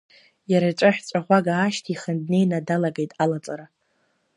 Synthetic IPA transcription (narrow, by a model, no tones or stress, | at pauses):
jaɾat͡ʃʷʼaħᶣt͡ʃʷʼaʁʷaɡaːʃtʰiχəndne̞jnadalaɡejtʼalat͡sʼaɾa